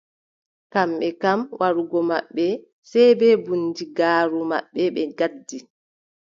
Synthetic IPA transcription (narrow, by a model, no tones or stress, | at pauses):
kamɓɛkamwʔaɾuɡɔmaɓːɛ | sɛjbɛːbunːdiɡaːɾuma̰ɓːɛɓɛɡadːi